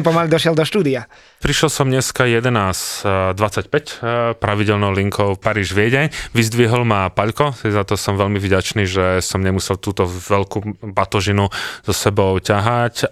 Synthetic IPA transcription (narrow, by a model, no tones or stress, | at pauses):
pɔmalid̪ɔʃɪɛlˠd̪ɔʃt̪uːd̪ia | pɾiʃlɔsɔmɲɛskajɛd̪ɛnaːsd̪ʋat͡sːacpɛcpɾaʋiɟɛlnɔʊliŋkʰɔʊpaɾiːʒʋɪɛɟɛɲʋizd̪ʋiɦɔlmapaʎkɔzat̪ɔsɔmʋɛʎmivɟat͡ʃniːʒɛsɔmɲɛmusɛlt̪uːt̪ɔʋɛʎkuːbat̪ɔʒinuzɔsɛbɔʊcaɦac